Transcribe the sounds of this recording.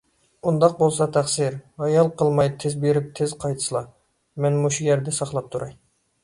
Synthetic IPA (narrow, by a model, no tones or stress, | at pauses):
und̪ɑq̚bolˠsɑt̪ʰæχsɪɾɑjɑlˠqəlˠmɑjt̪ʰɪzbeɾɪp̚t̪ʰɪzqʰɑjt̪ʰɨ̥slˠɑ | mɛnmuʃujɛɾd̪ɛsɑχlˠɑp̚t̪ʰuɾɑj